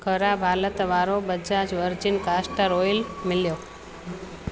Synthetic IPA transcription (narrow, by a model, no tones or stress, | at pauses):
kʰəɾabʱaːlət̪ʋaːɾobəd͡ʒad͡ʒʋəɾd͡ʒinkaːsʈəɾojlmɪljo